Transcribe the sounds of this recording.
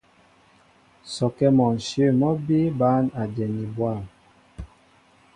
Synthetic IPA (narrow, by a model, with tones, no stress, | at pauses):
sɔ˨kɛ˦mɔ˨n˨sjə˦˨mɔ˦bi˦ba˦na˨d͡ʒɛ˨ni˨bwa˦˨m